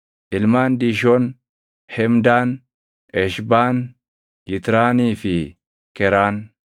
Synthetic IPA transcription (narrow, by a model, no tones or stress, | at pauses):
ʔɪlmaːnd̪iːʃ̬oːn | hɛmd̪aːn | ɛʃbaːn | jɪt̪ɾaːniːfɪ | kɛɾaːn